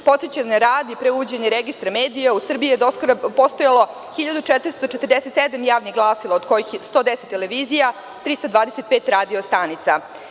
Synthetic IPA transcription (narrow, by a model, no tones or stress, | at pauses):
po̞t̪set͡ɕannaɾaːd̪ipɾeuʋod͡ʑeɲeɾeɡist̪ɾameːd̪ijausr̩bijijed̪oskoɾapo̞st̪ojalo̞ | xiʎad̪ut͡ʃɛt̪ɾist̪ot͡ʃet̪ərd̪eset̪sed̪amjaːʋnixɡlˠaːsilˠaod̪kojixst̪o̞ːd̪eset̪ːeleʋizija | t̪ɾist̪ad̪vaːd̪eset̪̚peːt̪ɾaːd̪iost̪aːnit̪sa